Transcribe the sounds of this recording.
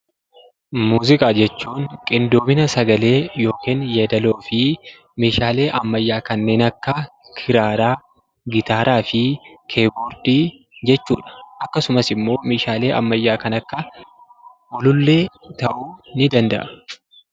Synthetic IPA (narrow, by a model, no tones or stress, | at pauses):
muːzɪkʼaːd͡ʒɛt͡ʃːuːŋkʼɪnd̪oːbɪnɐsɐɡɐle̞ːjo̞ːkeːnjed̪ɐlo̞ːfɪ | meːʃaːle̞ːʔɐmːɐjːaːkɐnːe̞ːnɐkːɐ | kʰɪɾaːɾaː | ɡɪt̪aːɾaːfɪkʰe̞ːboːɾd̪̥iː | d͡ʒɛt͡ʃːuːᶑɐ̥ʔɐkːɐsʊmɐsɪmːo̞ːmeːʃaːle̞ːʔɐ̰mːɐjːaːkɐnɐkːɐ | wɔlʊlːe̞ːt̪ɐʔuːnɪd̪ɐnd̪ɐ̰ʔɐ